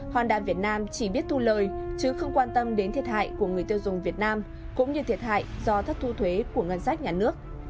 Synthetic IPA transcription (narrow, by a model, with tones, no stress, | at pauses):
hwaː˨˩nɗa̰ː˨˩nvi˨˩ət̚naː˧mt͡ɕi˧˩ɓi˦˥ət̚t̪ʰu˧ləː˨˩jt͡ɕɨ˨˦xə˧wŋ͡mkwaː˧nt̪ə˧mɗe˨˦nt̪ʰi˨˩ət̚ha̰ː˧˨jku˧˩əŋɨ˨˩əjt̪i˧ə˧wzʊ˨˩ŋ͡mvi˨˩ət̚naː˧m | kʊ̰˧˥ŋ͡mɲɨ˧t̪ʰi˨˩ət̚ɦa̰ː˧˨jzɔ˧t̪ʰə˦˥k̚t̪ʰu˧t̪ʰwe˨˦ku˧˩əŋə˧nsaː˦˥k̚ɲaː˨˩nɨ˦˥ək̚